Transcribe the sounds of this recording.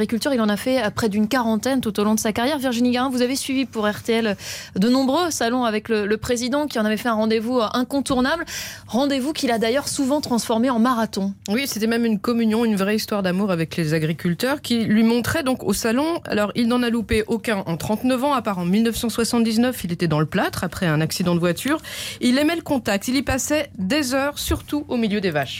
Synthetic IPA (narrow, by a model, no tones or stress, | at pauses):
ʁikʲylt̪yʁilɑ̃nafɛpχɛd̪ynkaʁɑ̃t̪ɛnt̪ut̪olɔ̃d̪əsakaʁjɛʁviʁʒiniɡaʁɛ̃vuzavesɥivipuʁɛʁt̪eɛld̪ənɔ̃bʁøsalɔ̃avɛklələpχezid̪ɑ̃kʲiɑ̃navɛfɛɛ̃ʁɑ̃d̪evuʔɛ̃kɔ̃t̪uʁnablʁɑ̃d̪evukʲilad̪ajœʁsuvɑ̃t̪χɑ̃sfɔʁmeɑ̃maʁat̪ɔ̃wiset̪ɛmɛmynkɔmynjɔ̃ynvʁɛist̪waʁd̪amuʁavɛklezaɡʁikʲylt̪œʁkʲilɥimɔ̃t̪χɛd̪ɔ̃kosalɔ̃a̰lɔʁilnɑ̃nalupeʔokʲɛ̃ʔɑ̃t̪χɑ̃t̪nəvɑ̃apaʁɑ̃milnœfsɑ̃swasɑ̃t̪̚d̪iznœfilet̪ɛd̪ɑ̃ləplat̪χapχɛɛ̃naksid̪ɑ̃d̪əvwat̪ʰyʁilɛmɛləkɔ̃t̪ak̚t̪ilipasɛd̪ɛzœʁsyʁt̪uomiljød̪evaʃ